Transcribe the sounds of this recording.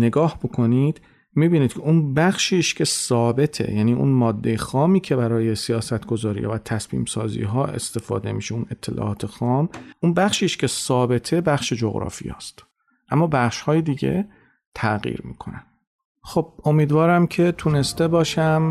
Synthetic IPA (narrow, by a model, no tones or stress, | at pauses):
ne̞ɡɒːhbokʰo̞nid̪̥ | miːbiːniːd̪̚cʰeunbæxʃiːʃcʰe̞sɒːbe̞t̪ʰe̞̰jæniːʔṵnmɒːd̪ːejexɒːmiːcʰe̞bæɾɒːje̞sijɒːsæt̪ʰɡ̥o̞zɒːɾḭhɒ̰væt̪ʰæsmḭːmsɒːzḭːɦɒːe̞̰st̪e̞fɒ̰ːd̪e̞miːʃeune̞t̪ʰːe̞lʔɒ̰ːʔɒːt̪ʰe̞xɒːmʔunbæxʃiːʃkcʰe̞sɒːbe̞t̪ʰe̞bæχʃed͡ʒoɣɾɒ̰fḭjɒ̰ːst̪ | ʔæmːɒːbæχʃhɒːjed̪iːɟe̞̰ | t̪ʰæɣḭːɾmḭːkʰo̞̰næn | xob̥̚o̞miːd̪vɒːɾæmcʰe̞t̪ʰune̞st̪e̞bɒːʃæm